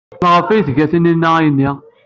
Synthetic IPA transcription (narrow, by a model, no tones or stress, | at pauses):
ʁəfæjθɡæθəninːəjənːi